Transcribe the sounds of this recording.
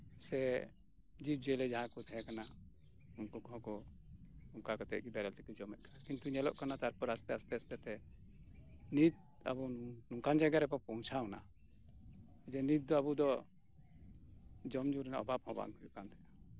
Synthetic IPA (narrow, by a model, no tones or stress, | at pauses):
sɛ | d͡ʒib̚d͡ʒɛlɛd͡ʒaɦãkɔt̪ʰɛɛkana | unkɔkɔɦɔ̃kɔ | uŋkakɔt̪ɛʔ̚ɡibɛɾɛlt̪ɛkid͡ʒɔmɛt̪̚kḁakint̪uɲɛlɔ̰ʔkanat̪aɾpɔɾast̪ɛast̪ɛast̪ɛt̪ɛ | nit̪̚ | a̰bunuŋkand͡ʒaɡaɾɛpɔpɔ̃w̃t͡ʃʰawna̰ | d͡ʒɛnit̪̚d̪ɔabud̪ɔ | d͡ʒɔmd͡ʒuɾɛnɔ̰babhɔba̰ŋkɔjuʔkant̪ɛja